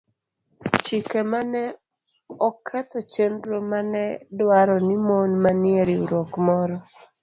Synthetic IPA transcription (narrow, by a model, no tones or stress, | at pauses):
t͡ʃikemanɛ | ɔkʰɛt̪ɔt͡ʃendɾomanɛdwaɾɔnimonmanɪeɾiuɾokmɔɾɔ